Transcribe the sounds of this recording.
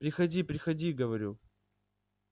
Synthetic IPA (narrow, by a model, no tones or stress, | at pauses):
pɾʲɪxɐdʲipɾʲɪxɐdʲiɡəvɐɾʲu